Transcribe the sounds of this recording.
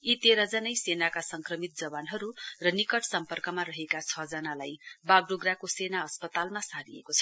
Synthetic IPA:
it̪eɾʌd͡zʌnʌjsenakasʌŋkrʌmit̪̚d͡zʌbanɦʌɾurʌnikʌʈsʌmpʌrkʌmaɾʌɦekat͡sʰʌd͡zʌnalajbaɡroɡrakosenaʌspʌt̪almasaɾiekot͡sʰʌ̥

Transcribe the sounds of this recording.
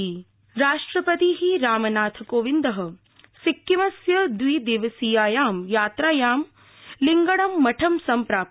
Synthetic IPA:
i | ɾaːʂʈɾɐpɐt̪iɦiɾaːmɐnaːt̪ʰɐkoːʋind̪ɐɦɐ̆ | sikːjiʋɐsjɐd̪ʋiːd̪eːʋɐsijaːjaːmjaːt̪ɾaːjaːm | liŋɡɐɽɐmːɐʈʰɐmsɐmpɾaːp̚

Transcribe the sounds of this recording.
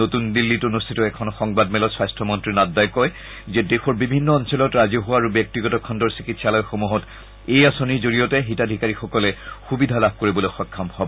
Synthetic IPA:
notundilːitunustʰitɔɛkʰɔnxɔŋbadmɛlɔswajstɹɔmɔntɹinaddajkɔj | zɛdexɔɹbibʱinːɔɔnsɔlɔtɹaziɔɦʊwaɹubjɔk̚tiɡɔtɔkʰɔndɔɹsikitsalɔjxomuɦɔt | ejasoniɹzoɹijɔtɛɦitadʱikaɹixɔkɔlɛxubidʱalab̚ʱkoɹibɔloxɔkʰːamhɔbɔ

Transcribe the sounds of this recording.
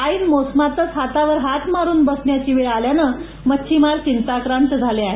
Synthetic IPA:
aiːnmosmat̪əsat̪aʋəɾɦat̪maɾuːnbəsɳjat͡ɕiːʋeɭaljanəː | mət͡ɕʰɕʰimaɾt͡ɕint̪akɾant̪d͡zʱaleaɦe

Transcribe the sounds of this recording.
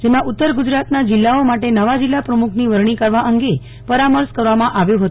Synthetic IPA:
d͡ʒemãʔʊt̪ːəɾɡud͡ʒɾat̪nad͡ʒɪlːaomaʈenəʋad͡ʒɪlːapɾəmukʰniʋəɾɳ̃ikəɾʋaʔəŋɡe | pəɾaməɾskəɾʋamãʔaʋjũɦət̪

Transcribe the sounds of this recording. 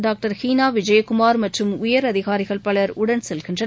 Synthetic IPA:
ɖaːk̚ʈɐɾhiːnaːʋɪd͡ʒɐjɐkʊmaːɾmɐʈrɯmʊjɐɾɐðɪɣaːɾɪɣɐɭpɐɭɐɾʊɽɐnsɛlɣɪndrɐ

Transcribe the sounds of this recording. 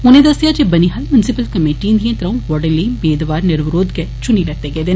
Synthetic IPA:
uned̪ɐsijad͡ʒebɐniɦɐlmjʊnsipəlkɐmeːʈĩːnd̪ijẽnt̪ɾɐ̃ʋɔɽɐlibeːd̪ʋaːɾnɪɾʋɾoːd̪ke | t͡ʃunilɐt̪eɡed̪en

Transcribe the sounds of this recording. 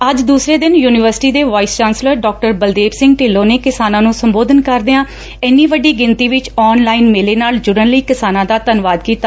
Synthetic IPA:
əd͡ʒd̪uːsɾeːd̪ɪnjuːnɪʋəɾsɪ̥ʈiːd̪eːʋaːiːst͡ʃaːnsləɾɖɔːk̚ʈəɾbəld̪eːbsɪ̃ŋɡʈɪːlːõːneːkɪsaːnãːnũːsəmboːd̪ənkəɾd̪eãː | ɛniːʋəɖiːɡɪnt̪iːʋɪt͡ʃɔːnlaːiːnmeːleːnaːld͡ʒʊɾənliːkɪsaːnãːd̪aːt̪ənʋaːd̪kiːt̪a

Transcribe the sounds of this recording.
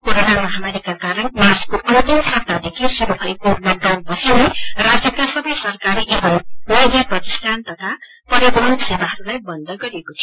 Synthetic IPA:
koɾonamʌɦamaɾikakaɾʌnmarskoʔʌnt̪imsʌp̚nad̪ekʰisuɾubʱʌjekomʌɖʌwnpʌsierad͡zjʌkasʌbʌjsʌrkaɾiʔebʌmmʌjd̪jʌprʌki̥st̪ʰant̪ʌt̪ʰa | pʌɾib̪unsebaɦʌɾulajbʌnd̪ʌɡʌɾiekot̪ʰijo

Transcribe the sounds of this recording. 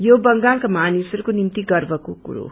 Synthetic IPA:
jobʌŋɡalkamanisʌɾukonint̪iɡʌrbʌkokṵɾo̰

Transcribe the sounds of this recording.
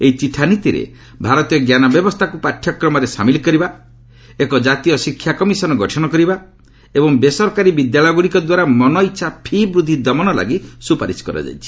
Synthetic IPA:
eit͡ʃiʈʰanit̪iɾḛ | bʱaɾɔt̪ijɔɡjanɔbjɔbɔst̪ʰakupaʈʰjɔkɾɔmɔɾesamilikɔɾiba | ekɔd͡ʒat̪ijɔsikʰːjakɔmisɔnɔɡɔʈʰɔɽ̃ɔkɔɾiba | ebɔŋbesɔɾkaɾibid̪jaɭɔjɡuɽikɔd̪waɾamɔnɔiʃʰapʰibɾud̪ʱid̪ɔmɔnɔla̰ɡisupaɾiskɔɾa̰d͡ʒa̰jt͡ʃʰi̥

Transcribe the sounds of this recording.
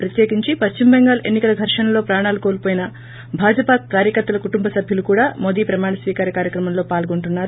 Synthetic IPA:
pɾɐt̪jeːkiɲt͡ʃipɐst͡ʃimbɛŋɡaːlɐʔenːikɐlɐɡʱɐɾʂɐnɐlo̞ːpɾaːɳaːlukoːlupoːjinɐ | bʱaːd͡ʒɐpaːkːaːɾjɐkɐɾt̪ːɐlɐkuʈumbɐsɐbʱjulukuːɽaːmoːd̪iːpɾɐmaːɳɐsʋiːkaːɾjɐkaːɾjɐkɾɐmɐmlo̞ːpaːlɡoɳʈunːaːɾu

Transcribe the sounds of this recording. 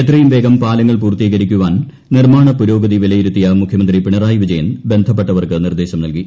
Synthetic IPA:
et̪rɐjumʋe̞ːɡɐmpaːlɐŋːɐɭpuːrt̪iːɣɐɾikʲːuʋaːn | nirmaːɳɐpuɾo̞ːɡɐðiʋilɐjiɾut̪ːijɐmukʰjɐmɐnd̪ripiɳɐraːjʋid͡ʑɐjɐnbe̞nd̪ʱɐp̬ːeʈːɐʋɐrkɨnird̪eːɕɐmnɐlki

